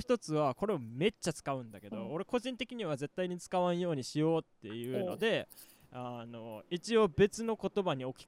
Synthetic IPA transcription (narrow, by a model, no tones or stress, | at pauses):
çi̥t̪o̞t͡sɨβako̞ɾe̞ome̞t͡ɕːat͡sɨ̥kaɯ̟̃nd̪ake̞d̪o̞ːɾe̞ko̞ʑĩnt̪e̞kʲiɲ̟iβaze̞t̪ːaiɲ̟it͡sɨ̥kaβãɰ̃jo̞ːɲ̟iɕijo̞ːt̪ːe̞jɯ̟ːno̞̰d̪e̞ | ano̞it͡ɕio̞be̞t͡sɨno̞ko̞t̪o̞baɲ̟io̞kʲi̥